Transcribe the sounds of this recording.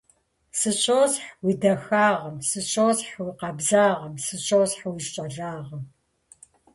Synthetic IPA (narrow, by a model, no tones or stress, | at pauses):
sɨɕʰʼoːzħwiːdɐxaːʁɐmsɨɕʷʰʼoːsħwiqɑbzaːʁɐmsɨɕʰʼoːzħwiʃt͡ʃʼɐɮaːʁɐm